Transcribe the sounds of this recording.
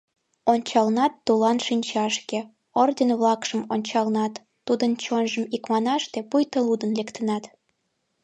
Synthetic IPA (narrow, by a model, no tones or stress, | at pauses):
onʲt͡ɕɑlnɑt̪ːulɑnʃinʲt͡ɕɑʃke | ord̪ʲenβlɑkʃəmonʲt͡ɕɑlnɑt̪ːud̪ənt͡ɕonʒəmikmɑnɑʃt̪epujt̪əlud̪ənlekt̪ənɑt̪